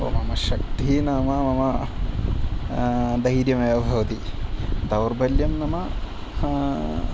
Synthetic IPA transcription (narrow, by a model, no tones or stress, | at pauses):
o̰ːmɐmɐʃɐk̚t̪iinaːmɐmɐmɐ | d̪ɐiɾjɐmɐjɐbʱɐʋɐt̪id̪ɐwɾbɐljɐmnɐmɐ